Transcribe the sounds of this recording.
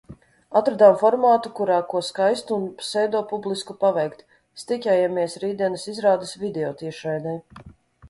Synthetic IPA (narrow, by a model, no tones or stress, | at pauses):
at̪ɾad̪amfɔɾmaːt̪ukuɾaːkuɔskajst̪unsɛjd̪ɔːpublˠiskupavɛjkt̪ | st̪icʲaːjɛmiɛsɾiːd̪ʲiɛnɐsizɾaːd̪ɐsvid̪ʲɛɔːt̪iɛʃɛjd̪ɛj